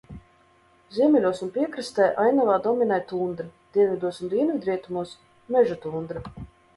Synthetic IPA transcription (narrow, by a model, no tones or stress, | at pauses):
zʲiɛmʲɛlʲuɔsunpʲiɛkɾɨst̪ɛːjʔajnavaːd̪ɔmʲinajt̪uːnd̪ɾad̪̥iɛnvʲid̪uɔsund̪ʲiɛnvʲid̪ɾiɛt̪umuɔs | mɛʒut̪uːnd̪ɾa